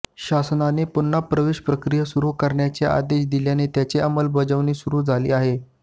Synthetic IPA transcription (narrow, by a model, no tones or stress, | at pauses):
ɕasnanepunːapɾəʋeɕpɾəkɾijəsuɾuːkəɾɳjat͡sea̰d̪eɕd̪iljanet̪jat͡seəməlbəd͡zəʋniːsuɾuːd͡zʱalḭːaɦe